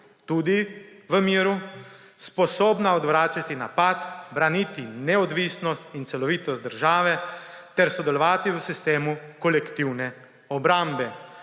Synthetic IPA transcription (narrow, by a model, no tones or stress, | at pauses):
t̪uːd̪iʋəmiːɾu | spɔsɔːbnaɔd̪ʋɾaːt͡ʃat̪inapat̪bɾanit̪inɛɔd̪ʋiːsnɔst̪int̪sɛlɔʋiːt̪ɔst̪d̪əɾʒaːʋɛt̪ɛɾsɔd̪ɛlɔʋaːt̪iwəsist̪eːmukɔlɛkt̪iwnɛ | ɔbɾambɛ